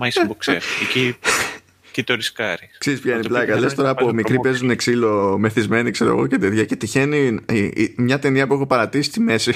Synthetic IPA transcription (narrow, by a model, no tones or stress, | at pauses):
mɐjsmbuksḛfici | cit̪oɾiskɐɾikseɾispçɐeniplɐkɐle̞st̪o̞ɾɐːpomiɾipe̞zune̞ksilo̞me̞θizme̞nikse̞ɾo̰ɣo̞̰cet̪eðʝɐce̞t̪içe̞ni | mɲɐt̪e̞niɐpue̞xo̞pɐɾɐt̪isi̥st̪ime̞si